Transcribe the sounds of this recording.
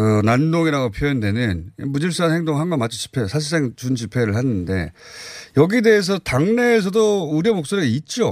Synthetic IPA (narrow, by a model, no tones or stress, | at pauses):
kɯnandoŋiɾaɡopʰjojʌndwe̞nɯnmud͡ʑiɭs͈anhe̞ŋdoŋɦaŋɡanmat͡ɕʰi̥t͡ɕi̥pʰe̞sʰaɕ̬ʰis͈eŋt͡ɕund͡ʑipʰe̞ɾɯɭhanɯnde̞̰jʌɡide̞es̬ʰʌtaŋne̞ːs̬ʰʌdouɾjʌmok̚s͈oɾiit̚t͡ɕ͈o